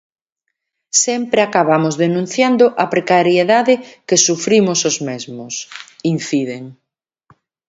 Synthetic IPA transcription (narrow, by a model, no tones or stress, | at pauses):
sɛmpɾeakaβamozðenũn̟θjand̪ʊʔɐpɾekaɾjeðaðɪkesufɾimʊsozmezmʊsin̟θiðeŋ